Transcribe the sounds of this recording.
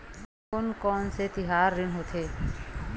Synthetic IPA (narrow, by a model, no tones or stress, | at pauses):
ʊnkɔːnset̪ɪɦaːɾːɪnɦot̪ʰeː